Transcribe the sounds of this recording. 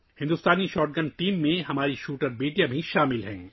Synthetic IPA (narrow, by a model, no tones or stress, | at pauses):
hɪ̃nd̪ust̪aːniʃɔːɾʈ̚ɡəɳʈiːmːẽɦɐmaːɾiʃuːʈəɾmiːʈijabʱiʃaːmɪlɦɛ̰̃ː